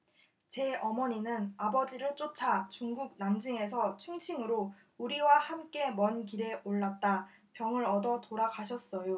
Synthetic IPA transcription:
t͡ɕe̞ʌmʌɲinɯnabʌd͡ʑiɾɯɭt͡ɕ͈ot͡ɕʰat͡ɕuŋɡuɡ̚namd͡ʑɯŋe̞s̬ʰʌt͡ɕʰuŋɕʰiŋɯɾo | uɾiwahamk͈e̞mʌnkiɾe̞oɭːat̚t͈a | pjʌŋɯɾʌdʌtoɾakʰaɕʰʌs͈ʌjo

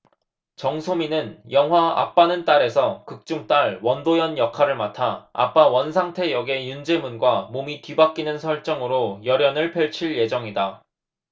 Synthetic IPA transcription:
t͡ɕʌŋsʰominɯnjʌŋɦwaa̰p͈anɯnt͈aɾe̞sʰʌkɯk̚t͡ɕ͈uŋt͈aɭwʌndojʌnjʌkʰaɾɯɭmatʰaa̰p͈awʌns̬ʰaŋtʰe̞jʌɡe̞jund͡ʑe̞munɡwamomikibak͈̚inɯnsʰʌɭt͡ɕ͈ʌŋɯɾojʌɾjʌnɯɭpʰjʌɭt͡ɕʰiɭje̞d͡ʑʌŋida

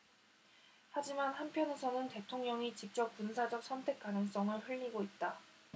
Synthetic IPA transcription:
had͡ʑimanhanpʰjʌne̞sʰʌnɯnte̞tʰoŋɲʌŋit͡ɕip̚t͡ɕ͈ʌk̚p͈unsʰad͡ʑʌk̚s͈ʰʌntʰe̞k͈anɯŋs͈ʌŋɯɭɸɯʎːiɡoit̚t͈a

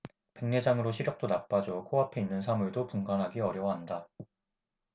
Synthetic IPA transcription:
pe̞ŋne̞d͡ʑaŋɯɾoɕʰiɾjʌk̚t͈onap͈ad͡ʑokʰoɦapʰe̞inːɯns̬ʰamuɭdopuŋɡanɦaɡiʌɾjʌwʌɦanda

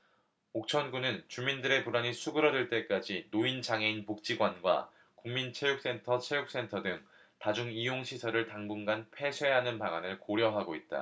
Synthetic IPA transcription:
ok̚t͡ɕʰʌnɡunɯnt͡ɕumindɯɾe̞puɾaɲisʰuɡɯɾʌdɯɭt͈e̞k͈ad͡ʑinoint͡ɕaŋe̞inpok̚t͡ɕ͈iɡwanɡwa̰ | kuŋmint͡ɕʰe̞juk̚s͈e̞ntʰʌt͡ɕʰe̞juk̚s͈e̞ntʰʌdɯŋ | tad͡ʑuŋijoŋɕʰisʰʌɾɯɭtaŋbunɡanpʰe̞sʰwe̞ɦanɯnpaŋanɯɭkoɾjʌɦaɡoit̚t͈a̰

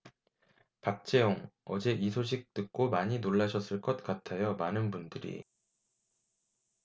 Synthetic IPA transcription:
pak̚t͡ɕ͈ʰe̞joŋʌd͡ʑe̞ʔisʰoɕ̬ʰik̚t͈ɯk̚k͈omaɲinoɭːaɕʰʌs͈ɯɭk͈ʌt̚k͈atʰajʌmanɯnbundɯɾḭ

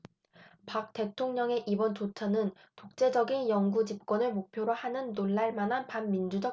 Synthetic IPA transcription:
pak̚t͈e̞tʰoŋɲʌŋe̞ʔibʌnt͡ɕot͡ɕʰʌnɯn | tok̚t͡ɕ͈e̞d͡ʑʌɡinjʌŋɡud͡ʑip̚k͈wʌnɯɭmok̚pʰjoɾohanɯnːoɭːaɭmanɦanpanmind͡ʑud͡ʑʌ

